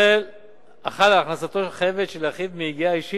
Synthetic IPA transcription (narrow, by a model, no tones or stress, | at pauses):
el | aχad̪alaχnasat̪o̞lχajevedʃelaχidmiiɡiaiʃi